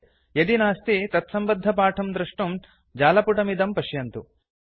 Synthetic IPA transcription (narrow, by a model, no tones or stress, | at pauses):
jɐd̪inaːst̪it̪ɐt̪sɐmbɐd̪ʱːɐpaːʈʰɐmd̪ɾɐʂʈum | d͡ʒaːlɐpuʈɐmid̪ɐmpɐʃjɐnt̪ṵ